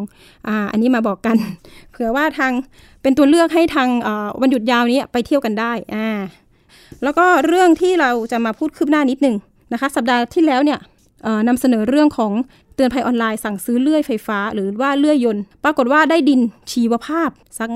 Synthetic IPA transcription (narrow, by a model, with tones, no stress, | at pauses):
ʔaː˧˩ʔa̰˧nːiː˦˥maː˧bɔː˨˩kːa˧npʰɯ˩˦ɐwaː˥˩t̪ʰaː˧ŋ | pe˧nt̪u˧əlɯ˥˩ək̚ɦa˥˩jt̪ʰaː˧ŋʔɤː˨˩wa˧nju˨˩t̪̚jaː˧wniː˦˥˨pa˧jt̪ʰi˥˩əwka˧ndaː˥˩jʔaː˧˩ | lɛː˦˥wkɔː˥˩ɾɯ˥˩əŋt̪ʰiː˥˩ɾa˧wt͡ɕa˨˩maː˧pʰuː˥˩t̪̚kʰɯː˥˩p̚naː˥˩ni˦˥t̪̚nɯ˨˩ŋ | na˦˥kʰa˦˥sa˨˩p̚daː˧t̪ʰiː˥˩lɛː˦˥wni˥˩ɐ | ʔɤː˨˩na˧msa˧nɤː˩˦ɾɯ˥˩əŋkʰɔː˩˦ŋ | t̪ɯ˧ənpʰa˧jʔɔː˧nlaː˧jsa˨˩ŋsɯː˦˥lɯ˥˩əjfa˧jfaː˦˥ɾɯː˩˦waː˥˩lɯ˥˩əjːo˧npɾaː˧ko˨˩t̪̚waː˥˩daː˥˩jdi˧nt͡ɕʰiː˧˩wa˧pʰaː˥˩p̚sa˦˥k̚